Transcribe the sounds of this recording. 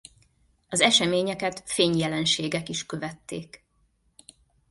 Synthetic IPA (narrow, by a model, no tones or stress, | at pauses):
ɒzɛʃɛmeːɲɛkɛt̪feːɲjɛlɛnʃeːɡɛkiʃkø̞vɛt̪ːḛːk